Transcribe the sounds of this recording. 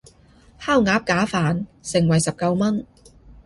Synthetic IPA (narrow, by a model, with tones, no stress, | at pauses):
haː˥˩wŋaː˨˥p̚kaː˨˥faː˨nsɪ˨˩ŋwɐ˨˩jsɐ˨p̚kɐ˧wmɐ˥n